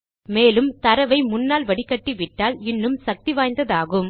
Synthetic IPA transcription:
meːlɯmt̪ɐɾɐʋɐɪmʊnːaːlʋɐɽɪkːɐʈːiʋɪʈːaːlɪnːɯmsɐk̚t̪iʋaːjnd̪ɐðaːɣɯm

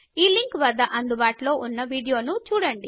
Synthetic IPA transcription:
iːliŋkʋɐd̪ːɐʔɐnd̪ubaːʈɐlo̞ːʔunːɐʋiːɽijo̞ːnut͡ʃuːɽɐɳɖi

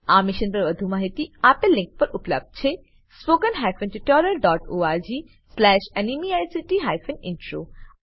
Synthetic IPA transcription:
aːmɪʃənpɐɾʋɐd̪ʱumaːɦit̪iaːpelɪ̃ŋk̚pɐɾʔʊplə̰b̚d̪̚t͡ʃʰe | spoːkənɦaːjfənʈiʈɔːɾəɾɖɔːʈoːaːɾd͡ʒiː | slɛːʃɛnimiajsiʈiɦajfʰənɪ̰̃nʈɾo̰ː

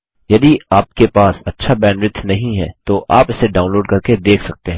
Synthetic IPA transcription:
jɐd̪iaːp̚kepaːsɐtːʃʰabɛːnɾɪt̪ʰnɐɦĩɦɛ̰ːt̪oʔaːpɪseɖaːʊ̃nloːɖ̚kɐɾked̪eːkʰsɐk̚t̪eɦɛ̃ː

